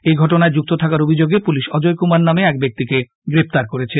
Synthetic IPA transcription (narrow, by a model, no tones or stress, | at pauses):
ejɡʱɔʈonaed͡ʑuk̚t̪ot̪ʰakaɾobʱid͡ʑoɡepuliʃɔd͡ʑojkumanːameɛk̚bek̚t̪ike | ɡɾept̪aɾkoɾet͡ɕʰe